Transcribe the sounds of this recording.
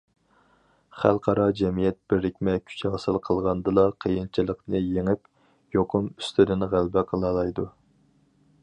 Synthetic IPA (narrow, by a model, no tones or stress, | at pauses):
χælˠqʰɑɾɑd͡ʒɛmijɛt̪̚b̥ɪɾːɪkʲmɛkʲʰy̥t͡ʃʰɛʁsɨlˠqʰəlˠʁɑnd̪ɨlˠɑqʰəjint͡ʃʰilˠəqnɨjeŋɪp | joqʰʊmyst̪ʰyd̪ɪnʁælbɛqʰəlˠɑlˠɑjd̪u